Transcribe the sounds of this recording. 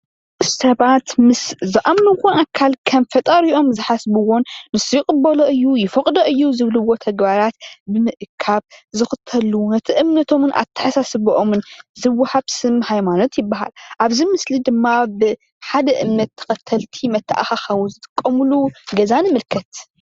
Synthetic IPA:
sɐβat̪mɨszɨʔamnunkʷʰonʔakʰːalkʰɐmfɐt̪ʼɐɾiʔo̞mzɨħasbɨwonːɨsjkʼɨbːɐloʔɨjːujɪfɐkʼd̪oʔɨjːuzɨβlɨwo̞t̪ʰɐɡbaɾat̪bɨmɨʔkʰːaβzɨxɨt̪ʰːɐlunɐt̪ʰiʔɨmnɐt̪ʰo̞mnʔa̰t̪ʰːɐ̥ħasasɨβɨʔomɨnzɨwːɐhaβsɨmhajmano̞t̪jɪbːaɦa̰lʔaβzimɨslid̪ɨmːabɨ | ħad̪ɐʔɨmnɐt̪ʰːɐ̥xɐt̪ʰːɐlt̪ʰimɐt̪ʰːɐʔa̰xaxɐwuzɨt̪ʼɨ̥kʼːɐmɨluɡɐzanɨmɨlkʰɐt̪

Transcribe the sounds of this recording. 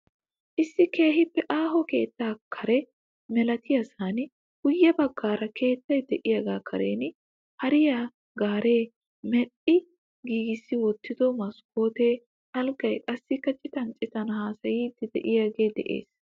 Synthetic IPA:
ʔɪsːɪkeːɦɪpːɛʔaːɦɔke̞ːt̪ːaːkʰɐɾɛ | mɛlɐt̪ʰɪjɐsaːnɪ | ɡ̥ʊjːɐbɐɡːaːɾɐkʰe̞ːt̪ːɐjd̪ɛʔɪjɐɡaːkʰɐɾḛːn | hɐɾɪja | ɡaːɾe̞ː | mɛɗɪ | ɡiːɡɪsːɪwɔt̪ːɪd̪ɔmɐsko̞ːt̪e̞ː | hɐlɡɐjkʼɐsːɪkːɐt͡ʃʼɪt̪ɐnt͡ʃʼɪt̪ɐnɐhaːsɐjiːd̪ɪd̪ɛʔɪjaːɡe̞ːd̪ɛ̰ʔe̞̰ːs

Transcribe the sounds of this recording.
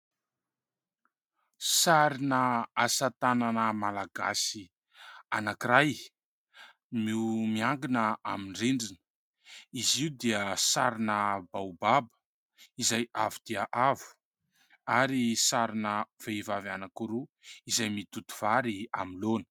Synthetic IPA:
saɾinəasat̪ananəmalaɡa̰si | anakiɾaj | miumiaŋɡinəamiɳɖ͡ʐeɳɖ͡ʐinə̥ | iziwd̪iəsaɾinəbawbabə̥ | izajavud̪̥iaʔavu̥ | aɾisaɾinəv̥evavanakuɾuizajmit̪ut̪u̥v̥aɾia̰milonə̥

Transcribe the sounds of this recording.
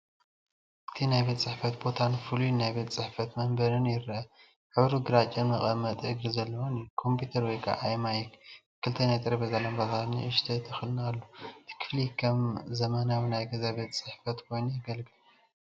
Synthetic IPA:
ʔɨt̪ʰinajbet̪ʼt͡sʼɨħfɐt̪̚bo̞t̪ʰanfulunajbe̞t̪ʼt͡sʼɨħfɐt̪mɐmbɐɾɨnjɪɾʔɐ | ħɨβɾuɡɨɾat͡ʃʼɐnmɨχʼɐmːɐt̪ʼɨɡɾizɐlːɐwonikʰo̞mpʰjut̪ʰɐɾwɔjkʼa̰ʔajmajɛk | kʰɨlt̪ʰɐnajt̪ʼɨɾɐbɐzɐlɐmbazanḭʔɨʃt̪ʰɐt̪ʰɨxɨlɨnalːot̪ʰi̥kʰɨflikʰɐmzɐmɐnawinajɡɐzaβet̪ʼt͡sʼɨħfɐt̪kʰo̞jnujɐɡɐlɡɨl

